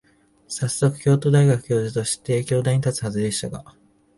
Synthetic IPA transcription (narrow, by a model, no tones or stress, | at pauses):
sasːo̞kɯ̟̥kʲo̞ːt̪o̞ːd̪aiɡakɯ̟̥kʲo̞ːʑit̪o̞ɕi̥t̪e̞kʲo̞ːd̪aiɲit̪at͡sɨ̥hazɨd̪e̞ɕi̥t̪aɡa̰